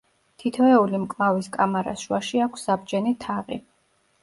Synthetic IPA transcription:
t̪ʰit̪ʰɔɛulimkʼlˠaviskʼamaɾa̰sʃwaʃiakʰsːabd͡ʒɛnit̪ʰaʁḭ

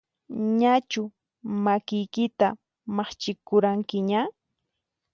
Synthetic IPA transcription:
ɲat͡ʃʊ | makɪjkɪt̪a | mɑχt͡ʃɪkʊɾaŋkɪɲa

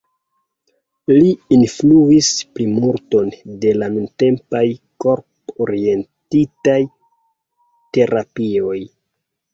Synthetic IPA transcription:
liinfluisplimuɾto̞nde̞lanunte̞mpajko̞ɾpoɾie̞ntitaj | te̞ɾapio̞j

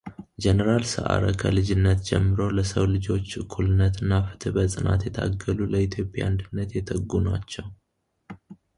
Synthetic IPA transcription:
d͡ʒɛnəɾalsɨ̰ʔa̰ɾə̰kʰəlɨd͡ʒɪnːət̪d͡ʒɛ̰mːɨɾo̞ləsəwlɨd͡ʒo̞t͡ʃːɨkʰːulɨnːət̪ɨnːafɨ̥t̪ʰɨbəsʼɨna̰t̪jɛt̪ʰaɡːəluləit̪ʰjo̞pʼːja̰nd̪ɨnːət̪jɛt̪ʰəɡːunat͡ʃːɛw

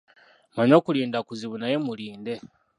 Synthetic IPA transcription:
maɲo̞ːkuliːndakuziβunajemuliːnde̞

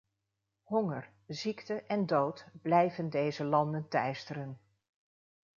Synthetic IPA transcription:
ɦɔŋər | ziktəʔɛndowtblɛjvəndejzəlɑndəntɛjstərən

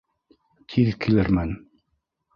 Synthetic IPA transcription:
t̪ʰiðkʰilɘɾmæn

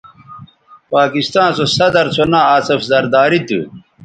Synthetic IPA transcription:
paːkist̪ãːnsosɐd̪ɐɾt͡sʰonãːɐːsɐfzɐɾd̪aːɾit̪ɨ̰

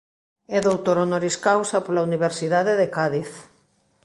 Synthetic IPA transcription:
ɛðowt̪oɾonoɾiskawsapolauniβ̞eɾsiðaðeðekaðiθ

